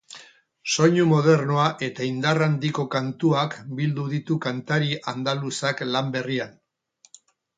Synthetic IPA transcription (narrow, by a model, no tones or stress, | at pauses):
so̞ɲumo̞ð̞e̞ɾnoaʔe̞t̪aind̪arand̪iko̞kant̪uakbild̪uðit̪ukant̪aɾiʔand̪alusaklambe̞rian